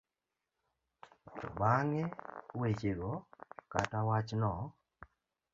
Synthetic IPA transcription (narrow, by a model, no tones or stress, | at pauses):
tɔ̰baŋɛwet͡ʃeɡɔkatawat͡ʃnɔ